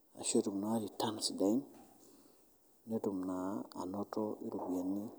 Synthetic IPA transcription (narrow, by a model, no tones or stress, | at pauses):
a̰ʃetumnalitansidain | netumnaa̰nɔtɔḭɾubjenːi